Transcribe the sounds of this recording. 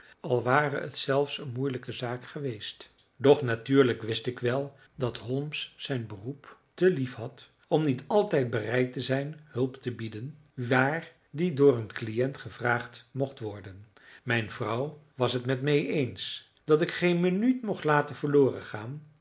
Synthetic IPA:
ɑlˠʋaːrəə̰tsɛlˠfsənmujləkəzaːkχəʋejst | dɔχnatyːɹləkʋɪstɪkʋɛlˠ | dɑtɦɔlˠmsːɛjnbəruptəlifɦɑt | ɔmnitɑlˠtɛjt̚bərɛjtəzɛjnhɵlˠptəbidən | ʋaːr | didʊːrənklijɛntχəvraːχtmɔχtʋɔɹdən | mɛjnvrʌwʋɑsɦətmɛtmejʔens | d̥ɑtɪkχejnmənytmɔχtlaːtənv̥əɹloːrəχaːn

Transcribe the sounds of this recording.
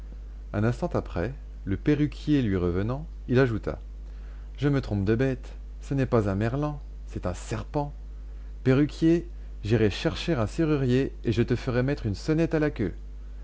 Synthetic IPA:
ɛ̃nɛ̃st̪ɑ̃t̪apχɛ | ləpeʁykʲjelɥiʁəvənɑ̃ | ilaʒut̪a̰ | ʒəmət̪χɔ̃p̚d̪əbɛt̪ | sənɛpazɛ̃mɛʁlɑ̃ | sɛt̪ɛ̃sɛʁpɑ̃ | peʁykʲje | ʒiʁɛʃɛʁʃeʁɛ̃seʁyʁjeeʒət̪əfəʁɛmɛt̪χynsɔnɛt̪alakʲø̰

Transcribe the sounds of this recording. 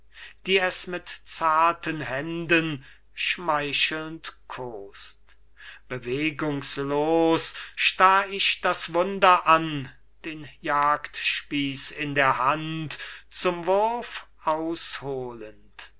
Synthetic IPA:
d̥iːɛsmɪtt͡saːɐtʰənɦɛndən | ʃmaɪʃl̩ntkʰoːst | b̥əveːɡʊŋsloːsʃtaːɪʃd̥asv̥ʊndɐʔan | d̥eːnjaːktʃpiːsɪndeːɐɦantt͡sʊmvʊɐfʔaʊshoːlənt

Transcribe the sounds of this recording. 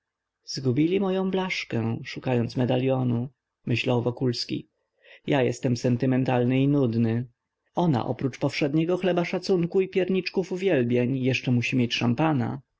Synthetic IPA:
zɡubʲilʲimɔjɔ̃blaʂkɛʂukajɔnt̪smɛd̪alʲjɔnu | mɘɕlawvɔkulskʲḭ | jajɛ̰st̪ɛmsɛnt̪ɘmɛnt̪alnɘinud̪nɘ | ɔna̰ʔɔ̰pɾut͡ʂpɔfʂɛd̪ɲɛɡɔxlɛbaʂat̪suŋkuipʲjɛɾɲit͡ʂkufuvʲjɛlbʲjeɲjɛʂt͡ʂɛmuɕimʲjɛt͡ɕʂampana̰

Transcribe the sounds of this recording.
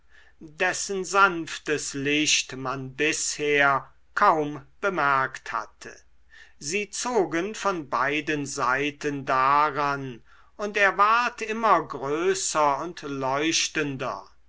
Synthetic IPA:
dɛsənzanftəslɪʃtmanbɪsheːɐ | kʰaʊmb̥əmæɐktha̰tʰə̰ | ziːt͡soːɡənfɔnbaɪdənzaɪtəndaʁan | ʊnteːɐvaɐtɪmɐɡʁøːsɐʊntlɔʏʃtəndɐ̰

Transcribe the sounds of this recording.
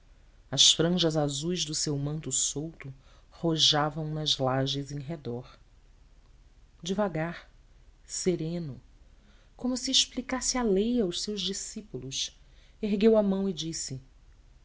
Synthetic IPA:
ɐsfɾɐ̃ʒɐzazujzd̪ʊsewmɐ̃nt̪ʊsowt̪ʊhoʒavɐ̃w̃nɐzlaʒɪzẽj̃ɦed̪ɔɾ | d͡ʒɪvaɡaɾ | seɾẽnʊ | kõmʊsiːʃplikasɪalejawʃsewʒd͡ʒisipulʊs | eɦɡewɐmɐ̃w̃id͡ʒisɪ

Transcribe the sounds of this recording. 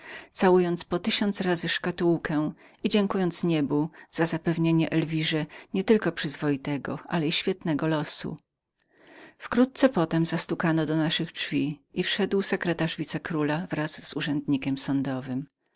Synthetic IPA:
t̪sawujɔnt̪spɔt̪ɘɕɔnt̪sɾazɘʂkat̪uwkʰɛw | id͡ʑɛŋkujɔnt̪sɲɛbuz̥azapɛvɲeɲɛʔɛlvʲiʐɛɲɛt̪ɘlkɔpʂɘzvɔjit̪ɛɡɔʔalɛiɕfʲjɛt̪nɛɡɔlɔsṵ | fkɾut̪̚t̪sɛpɔt̪ɛmzast̪ukanɔd̪ɔnaʂɘɣɖvʲiifʂɛd̪wsɛkɾɛt̪aʐvʲit̪sɛkɾulavɾaz̥ːuʐɛnd̪ɲikʲɛmsɔnd̪ɔvɘm

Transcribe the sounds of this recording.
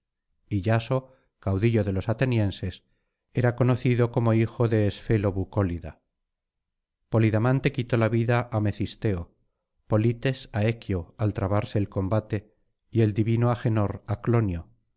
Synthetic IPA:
iʎaso̞ | kawðiʎo̞ðe̞lo̞sat̪e̞njẽ̞nse̞s | e̞ɾako̞noθiðo̞ko̞mo̞ixo̞ðe̞ːsfe̞lo̞βukoliða̰ | po̞liðamãnt̪e̞kit̪o̞laβiðaʔame̞θist̪e̞o | po̞lit̪e̞sae̞kjoalt̪ɾaβaɾse̞ːlko̞mbat̪e̞ | ie̞ld̪iβinoaxe̞no̞ɾaklo̞njo

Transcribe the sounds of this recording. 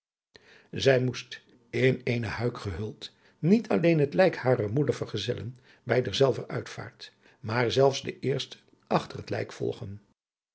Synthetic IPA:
zɛjmust | ɪnejnəhœɥkχəɦɵlˠt | nitʰɑlejnɦətlɛjkhaːrəɹmudəɹvəɹχəzɛlə̰n | bɛjdəɹzɛlˠvərœɥtfa̰ːɹt | maːɹzɛlˠfszdəʔɪːɹstə̥ | ʔɑχtərətlɛ̰jkfɔ̰lˠχən

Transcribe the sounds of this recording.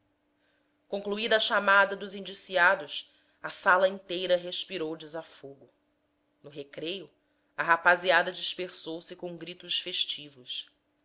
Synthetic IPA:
kõkluid̪ɐʃamad̪ɐd̪ʊzĩnd͡ʒisiad̪ʊs | ɐsalɐĩnt̪ejɾɐɦeʃpiɾowd͡ʒizafoɡʊ | nʊɦekɾejʊ | ɐɦapaziad̪ɐd͡ʒiʃpeɾsowsɪkõɡɾit̪ʊʃfeʃt͡ʃivʊʃ

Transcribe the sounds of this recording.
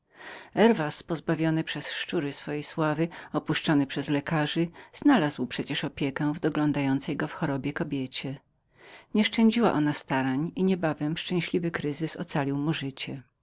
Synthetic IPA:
ɛɾvaspɔzbavʲjɔnɘpʂɛsʂt͡ʂuɾɘsfɔjejswavɘɔpuʂt͡ʂɔnɘpʂɛzlɛkaʐɘz̥nalazwpʂɛt͡ɕɛʂɔpʲjɛkɛ̃vd̪ɔɡlɔnd̪ajɔnt̪sɛjɡɔfxɔɾɔbʲjɛkɔbʲjet͡ɕɛ | ɲɛʂt͡ʂɛ̃ɲd͡ʑiwa̰ʔɔnast̪aɾaɲiɲɛbavɛmʂt͡ʂɛ̃w̃ɕlʲivɘkɾɘzɘsɔ̰t̪salʲiwmuʐɘt͡ɕɛ

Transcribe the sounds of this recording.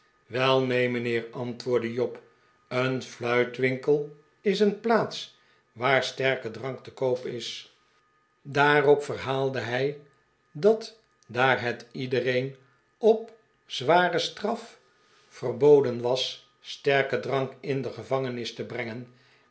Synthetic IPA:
ʋɛlˠnejməneːrɑntʋʊːɹdəjɔp | ənflœɥtʋɪŋkəlˠ | ɪsənplaːts | ʋaːɹstɛɹkədrɑŋktəkowpɪs | daːrɔpfərɦaːlˠdəɦɛj | dɑt | daːrɦɛtidərejn | ɔp | z̥ʋaːrəstrɑf | fərbowdənʋɑs | stɛɹkədrɑŋkɪndəχəvɑŋənɪstəbrɛŋən

